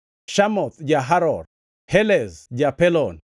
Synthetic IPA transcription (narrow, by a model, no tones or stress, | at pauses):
ʃamɔt̪d͡ʒaɦaɾɔr | hɛlɛzd͡ʒapɛlɔn